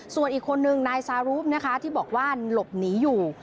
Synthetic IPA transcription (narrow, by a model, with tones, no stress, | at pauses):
su˨˩ənʔiː˨˩kʰːo˧nːɯ˨ŋnaː˧jsaː˧ɾuː˦˥p̚na˦˥kʰa˦˥t̪ʰiː˥˩bɔː˨˩k̚waː˥˩lo˨˩p̚niː˨˦˥juː˨˩